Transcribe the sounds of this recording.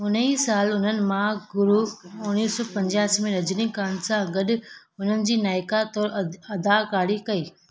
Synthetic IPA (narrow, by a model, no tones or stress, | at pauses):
ʊn̤iːsaːlʊn̤ənɪ̆mãɡʊɾuʊniːsɔːpɐ̃ɲd͡ʑaːsimẽɾɐd͡ʑnikaːnsãɡɐɗʊ̆ | ʊn̤ənɪ̆d͡ʑiːnaːɪkat̪ɔːɾɐd̪akaːɽikɐiː